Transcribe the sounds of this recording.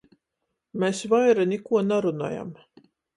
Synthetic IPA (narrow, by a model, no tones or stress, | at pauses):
mesvajɾanʲɛkuɔnaɾuna̰ːja̰m